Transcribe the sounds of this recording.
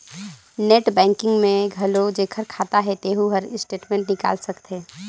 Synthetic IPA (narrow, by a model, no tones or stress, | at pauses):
neːʈbɛ̃ːŋkɪ̃ŋɡmẽɡʱɐlod͡ʒeːkʰəɾkʰaːt̪aɦɛt̪eːɦuɦəɾɪsʈeːʈmẽːɳʈnɪka̰ːlsɐkt̪eː